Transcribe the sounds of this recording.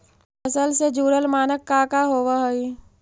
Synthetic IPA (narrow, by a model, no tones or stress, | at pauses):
əsəlsed͡ʒuːɾəlmaːnəkːaːkaɦoːʋaɦoi